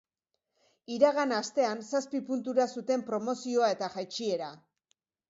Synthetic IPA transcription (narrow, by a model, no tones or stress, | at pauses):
iɾaɣanast̪e̞ansaspipunt̪uɾasut̪e̞mpɾo̞mo̞sio̞ae̞t̪aʝajt͡ʃie̞ɾa